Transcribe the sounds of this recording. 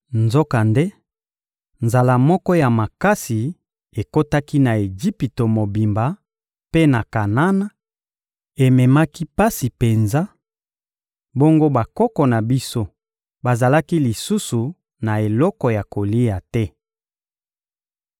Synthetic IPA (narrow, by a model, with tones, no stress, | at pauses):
nzo˦ka˨nde˦ | nza˨la˨mɔ˦kɔ˦ja˨ma˨ka˦si˨ | e˨ko˦ta˦ki˦na˨e˨d͡ʒi˦pi˨to˨mo˨bi˨mba˨ | pe˦na˨ka˨na˦na˨ | e˨mɛ˨ma˦ki˦pa˦si˨pe˨nza˦ | bo˦ŋɡo˦ba˨kɔ˦kɔ˨na˨bi˦so˦ | ba˨za˨la˦ki˦li˨su˦su˨ | na˨e˨lɔ˦kɔ˨ja˨ko˨li˦ja˨tɛ˦